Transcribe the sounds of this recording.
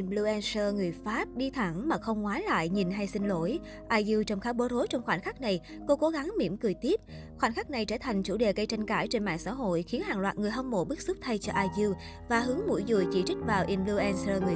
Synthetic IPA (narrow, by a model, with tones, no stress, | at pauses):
ʔi˧mlu˧ʔɛ˧nsəː˧ŋɨ˨˩əjfaː˦˥p̚ɗi˧t̪ʰa˧˩ŋmaː˨˩xə˧wŋ͡mŋwaː˨˦la̰ː˧˨jɲi˨˩nɦa˧jsï˧ŋ̟lo˧˩˦j | ʔaː˧jzɨ˧wt͡ɕɔ˧wŋ͡mxaː˨˦wɓo˨˦zo˨˦jt͡ɕɔ˧wŋ͡mxwaː˧˩nxaː˦˥k̚na˨˩j | ko˨˦ko˨˦ɣa˨˦ŋmḭ˧˩˥əmkɨ˨˩əjt̪i˦˥əp̚ | xwaː˧˩nxa˦˥k̚na˨˩jt͡ɕəː˧˩t̪ʰa˨˩jŋ̟t͡ɕṵ˧˩ɗe˨˩ɣə˧jt͡ɕa˧ŋ̟kaː˧˩jt͡ɕe˧nma̰ː˧˨ŋsa̰ː˧˥ɦo̰˧˨jxi˨˦ənhaː˨˩ŋlwaː˨˩t̚ŋɨ˨˩əjɦɔ˧wŋ͡mmo̰˧˩ɓɨ˦˥k̚su˦˥p̚t̪ʰa˧jt͡ɕɔ˧ʔaː˧jzɨ˧w | vaː˨˩ɦɨ˨˦əŋmṵ˧˩˥jzṵ˧˩˨jt͡ɕḭ˧˩t͡ɕi˦˥k̟̚vaː˨˩wʔi˧mlu˧ʔɛ˧nsəː˧ŋɨ˨˩ə